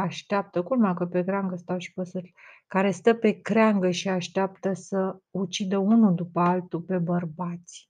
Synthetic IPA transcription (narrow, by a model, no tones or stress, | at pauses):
aʃt̪eap̚t̪əkulmakəpekɾeaŋɡəst̪awʃi̥pəsɨt̪kaɾe̞st̪əpe̞kɾeaŋɡəʃiaʃt̪eap̚t̪əsəut͡ʃid̪əunud̪upəalt̪upe̞bərbat̪sʲ